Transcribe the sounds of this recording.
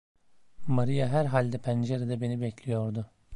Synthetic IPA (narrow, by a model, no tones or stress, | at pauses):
maɾijaɦæɾɦalʲd̪ɛpʰænd͡ʒeɾed̪ɛbe̞nibɛclʲijo̞ɾd̪ʊ